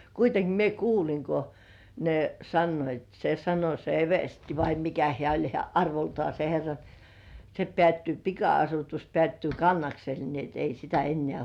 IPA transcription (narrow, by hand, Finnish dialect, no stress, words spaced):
kuiteŋki mie kuːliŋ ko ne sɑnːoit se sɑno se eʋersti ʋɑi mikæ hĕæˑ olʲ hĕæˑ ɑrʋoltŏɑˑ se herːɑ ni se pĕæˑtːyː pikɑɑsutus pĕæˑtːyː kɑnːɑksel ni et ei sitæ enːĕæˑ